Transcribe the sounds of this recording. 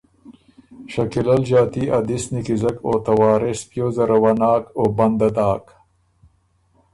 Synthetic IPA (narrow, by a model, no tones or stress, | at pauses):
ʃɐkilɐlʒɑːt̪iad̪isnikizɐkoːt̪ɐwɑːɾɪspjoːzɐɾɐwanɑːkobɐnd̪ɐd̪ɑːk